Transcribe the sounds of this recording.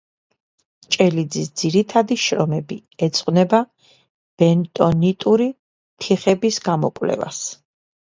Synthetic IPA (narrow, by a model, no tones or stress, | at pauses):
t͡ʃʼɛlid̪zisd̪z̥iɾit̪ʰad̪iʃɾɔmɛbiɛt̪sʼqʼwnɛba | b̥ɛnt̪ʼɔnit̪ʼuɾi | t̪ʰiχɛbisɡamɔ̰kʼvlɛ̰va̰s